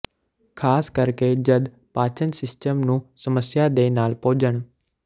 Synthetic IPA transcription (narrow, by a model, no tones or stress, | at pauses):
kʰaːskəɾkeːd͡ʒəd̪ | paːt͡ʃʰənsɪsʈəmnũːsəməsjaːd̪eːnaːlpoːd͡ʒəɳ